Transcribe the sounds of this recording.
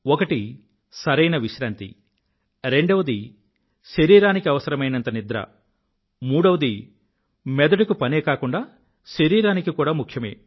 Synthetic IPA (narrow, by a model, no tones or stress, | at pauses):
ɔkɐʈi | sɐɾɐjnɐʋiʃɾaːnt̪ḭ | ɾe̞ɳɖɐʋɐd̪i | ʃeɾiːɾaːnikiɐʋɐsɐɾɐmɐjnɐnt̪ɐnid̪ɾɐ̰ | muːɽɐʋɐd̪i | mɛd̪ɐɖukupɐneːkaːkuɳɖaː | ʃeɾiːɾaːnikikuːɽaːmukʰjɐmḛː